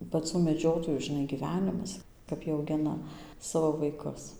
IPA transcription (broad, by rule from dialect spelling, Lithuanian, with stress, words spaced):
pɐˈt͡suː mʲɛˈd͡ʒʲoːtoːjuː ʒʲɪˈnɐɪ ɡʲiːˈʋʲæːnʲɪmɐs kɐp ˈjiɛ ɐʊˈɡʲɪnɐ ˈsɑːʋoː ʋɐɪˈkʊs